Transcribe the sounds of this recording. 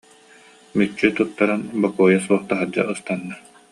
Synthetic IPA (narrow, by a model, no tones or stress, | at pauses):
myt͡ʃːyt̪ut̪ːaɾanbakuːjasuɔχt̪aɦad͡ʑa̰ɯst̪anːa